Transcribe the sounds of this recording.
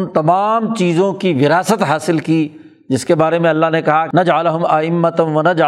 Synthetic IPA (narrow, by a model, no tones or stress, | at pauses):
nt̪ɐmaːmt͡ʃiːzõkiʋɪɾaːsət̪ɦaːsɪlkiː | d͡ʒɪskebaːɾemẽɐlːaɦnekɐɦanɐd͡ʒʕəlɦʊmɐɪmːət̪ʋɐnɐd͡ʒ